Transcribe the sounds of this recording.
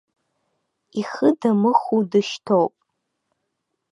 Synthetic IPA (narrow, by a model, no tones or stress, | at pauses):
iχədamɨχudɨʃtʰowpʼ